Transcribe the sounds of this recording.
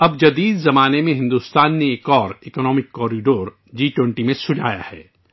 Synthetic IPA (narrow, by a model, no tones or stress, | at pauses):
ɐbd͡ʒɐd̪iːd̪zɐmaːnemẽɦɪ̃nd̪uːst̪aːnːeːkɔːɾɪkɔnɔːmɪkːɔːɾiɖoːɾ | d͡ʒiːʈwɛ̃ɳʈimẽsʊd͡ʒʱa̰ːja̰hɛ̰ː